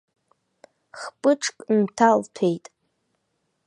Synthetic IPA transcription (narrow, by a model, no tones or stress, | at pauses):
χpʼɨʈ͡ʂʰkʼntʰaltʰejtʼ